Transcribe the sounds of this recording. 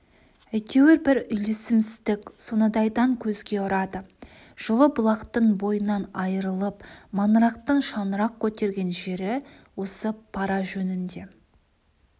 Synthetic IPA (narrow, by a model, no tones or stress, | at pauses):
æjt̪ʲʰe̞wɪɾbɪɾʏjle̞sɪmsɪzd̪ɪkʲsonəd̪ɑjd̪ɑŋkʲʰɵzɡʲe̞ʊɾɑd̪ə | ʒ̥əlˠəbʊlˠɑqt̪əɴbo̞jənɑnɑjəɾəlˠəpmɑnɾɑqt̪əɴʃɑnəɾɑq̚kʲʰɵt̪e̞ɾɡʲe̞nʒe̞ɾɪ | wo̞səpʰɑɾɑʒɵnɪnd̪e̞